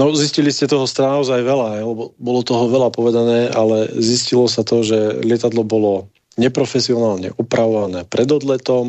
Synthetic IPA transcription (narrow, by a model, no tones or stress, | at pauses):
nɔzisciliscɛt̪ɔɦɔst̪ɾanaɔzajʋɛlaɛlɛbɔbɔlɔt̪ɔɦɔʋɛlapɔʋɛd̪anɛːalɛziscilɔsat̪ɔʒɛlɪɛt̪ad̪lɔbɔlɔ | ɲɛpɾɔfɛsiɔnaːlɲɛ̰ʔupɾaʋɔʋanɛːpɾɛd̪ɔd̪lɛt̪ɔm